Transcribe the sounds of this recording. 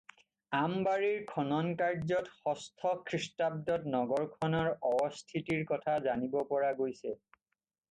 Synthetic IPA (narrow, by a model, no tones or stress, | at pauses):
ambaɹiɹkʰɔnɔnkaɹzɔtxɔstʰɔkʰɹistab̚dɔtnɔɡɔɹkʰɔnɔɹɔbɔstʰitiɹkɔtʰazanibɔpɔɹaɡojsɛ